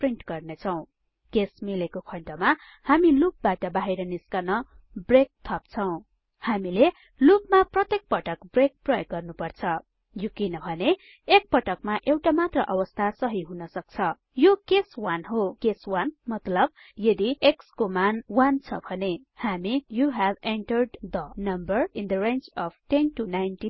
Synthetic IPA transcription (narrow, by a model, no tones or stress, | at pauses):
priɳʈɡʌrnet͡sʰʌw̃ | kesmilekokʰʌɳʈʌma | hamilup̚baʈʌbaɦiɾʌniskʌnʌ | brek̚t̪ʰʌp̚t͡sʰʌw̃ | hamile | lup̚maprʌt̪jek̚pʌʈʌkbrek̚prʌjʌɡːʌrnupʌrt͡sʰʌ | jokinʌbʱʌne | ek̚pʌʈʌkmaʔewʈamat̪rʌʔʌwʌst̪ʰasʌɦiɦunʌsʌk̚t͡sʰʌ | jokeswanɦokeswanmʌt̪lʌb̚ | jʌd̪iekskomanwant͡sʰʌ̰bʱʌne | hamijuɦæbeɳʈʌrɖd̪ʌnʌmbʌrind̪ʌrent͡ʃʌb̥̚ʰʈenʈunajnʈi